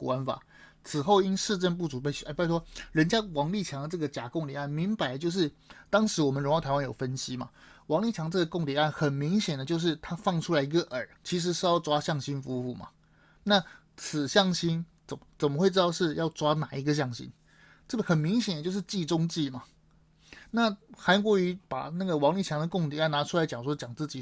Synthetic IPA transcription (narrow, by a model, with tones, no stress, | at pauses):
ka˥nfa̰˨˩˦ | t͡sʰɹ̩˨˩xo˥˩ʊi˥nʂɻ̩˥˧ʈ͡ʂə˥˧np̬u˥˩ʈ͡ʂu˨˩p̬e˥˩ɪ˥˩a˥˩pa˥˩twɔ˥ɻə˧˥nt͡ɕja˥wɑ˧˥ŋli˥˩t͡ɕʰjɑ˧˥ŋd̪ə˧ʈ͡ʂɤ˥˩ɡə˩t͡ɕja˨˩kʊ˥˩ŋt̪iɛ˨˩˦a˥˩nmi˧˥ŋpa˧˥ɪə˦t͡ɕjo˥˧ʊʂ̬ɻ̩˥˩ | t̪ɑ˥ŋʂɻ̩˧˥wɔ˨˩mə˦nɻo˧ŋjt̪ʰa˧˥wa˥njo˨˩ʊfə˦nɕi˥mɐ̰˨wɑ˧˥ŋli˥˩t͡ɕʰjɑ˧˥ŋəʈ͡ʂɤ˥˩ɡə˩kʊ˥˩ŋt̪jɛ˨˩˦a˥˩nxə˨˩nmi˧˥ŋɕjɛ˨˩nd̪ə˦t͡ɕjo˥˧ʊʂ̬ɻ̩˥˩t̪ʰa˥fɑ˥˩ŋʈ͡ʂʰu˥la˧˥ɪi˧˥ɡə˧ʔə˞˨˩˦t͡ɕʰi˧˥ʂ̬ɻ̩˧˥ʂɻ̩˥˧jɑ˥˧ʊʈ͡ʂwa˥ɕjɑ˥˩ŋɕi˥nfu˥fu˥˩mɐ̰˩ | na˥˩ | t͡s̩ʰ˨˩ɕjɑ˥˩ŋɕi˥nt͡sə˨˩m˦t͡sə˨˩mə˦xwe˥˩ɪʈ͡ʂɻ̩˥ɑ˥˧ʊʂɻ̩˥˧jɑ˥˩ʊʈ͡ʂwa˥na˨˩i˧˥ɡə˧ɕ̬jɑ˥˩ŋɕḭ˥n | ʈ͡ʂɤ˥˩ɡə˩xə˨˩nmi˧˥ŋɕ̬jɛ˨˩d̪ə˦t͡ɕjo˥˧ʊʂɻ̩˥˧t͡ɕi˥˩ʈ͡ʂʊ˥ŋt͡ɕi˥˩mɐ˩ | na˥˩xa˧˥nk̬wɔ˧˥y˧˥pa̰˨˩na˥˩ɡə˩wɑ˧˥ŋli˥˩t͡ɕʰjɑ˧˥ŋd̪ə˨kʊ˥˩ŋt̪̬i˨˦a˥˩na˧˥ʈ͡ʂʰu˥la˧ɪt͡ɕjɑ˨˩ŋʂwɔ˥t͡ɕjɑ˨˩ŋt͡sɹ̩˥˩t͡ɕi˨˩